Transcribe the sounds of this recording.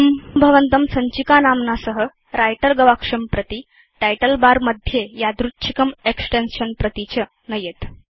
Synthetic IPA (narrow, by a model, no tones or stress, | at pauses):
mbʱəʋənt̪əmsəɲt͡ɕikanamnasəɦə | ɾajʈəɾɡəʋakʂəmpɾət̪i | ʈajʈəlbaɾməd̪ʱjejad̪ɾutːɕʰi̥kəmeksʈenɕənpɾət̪it͡ɕə | nəjet̪